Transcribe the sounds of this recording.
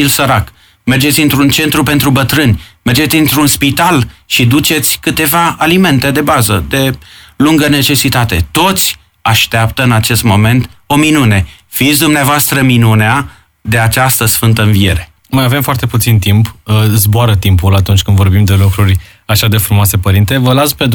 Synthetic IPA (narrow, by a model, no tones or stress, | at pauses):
ilsəɾak | me̞rd͡ʒet̪sʲɨnt̪ɾunt͡ʃe̞nt̪ɾupe̞nt̪ɾubət̪ɾɨnʲme̞rd͡ʒe̞t̪ʲint̪ɾunspit̪alʃid̪ut͡ʃe̞t̪sʲkɨt̪e̞vaalime̞nt̪e̞d̪e̞bazəd̪e̞luŋɡəne̞t͡ʃe̞sit̪at̪e̞̰t̪o̞t̪sʲ | aʃt̪eapt̪əɨnat͡ʃe̞st̪mo̞me̞nt̪o̞minune̞ | fit̪sʲd̪umneavoast̪ɾəminunea | d̪e̞at͡ʃast̪əsfɨnt̪əɨnvie̞̰ɾe̞ | majave̞mfoart̪e̞put̪sint̪impzboaɾət̪impulat̪unt͡ʃʲkɨnd̪vo̞rbimd̪e̞lukɾuɾʲ | aʃad̪e̞fɾumoasepəɾint̪e̞vəlasped̪